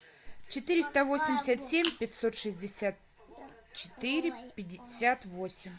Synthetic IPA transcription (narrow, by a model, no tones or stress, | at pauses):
t͡ɕɪt̪ɨɾʲɪst̪əvo̞sʲɪmʲdʲɪsʲət̪sʲemʲpʲɪtʲso̞t̪ʂɨzʲdʲɪsʲat̪̚ | t͡ɕɪ̥t̪ɨɾʲɪpʲɪdʲɪsʲat̪vo̞sʲɪmʲ